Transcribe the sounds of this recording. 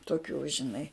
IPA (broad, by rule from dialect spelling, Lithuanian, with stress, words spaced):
toːˈkʲuː ʒʲɪˈnɐɪ